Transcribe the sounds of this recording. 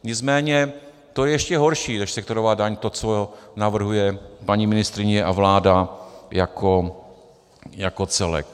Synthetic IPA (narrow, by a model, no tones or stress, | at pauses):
ɲɪt͡smɛːɲɛ | t̪ojɛjɛʃcɛɦo̞ɾʃiːnɛʃsɛkt̪o̞ɾovaːdaɲt̪o̞t͡sonavr̩ɦujɛpaɲiːmɪnɪst̪ɾɪɲɛʔavlaːdajakʰo | jako̞t͡sɛlɛ̰k̚